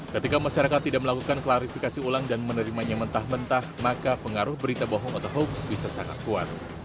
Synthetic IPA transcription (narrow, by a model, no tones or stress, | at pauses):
kət̪ikamaʃaɾakat̪ːidaʔ̚məlakukanklaɾifikasiulaŋdanmənəɾimaɲamənt̪ahmənt̪ahmakapəŋaɾʊhbəɾit̪aboɦɔŋat̪aɦoksbisasaŋa̰t̪̚kua̰t̪̚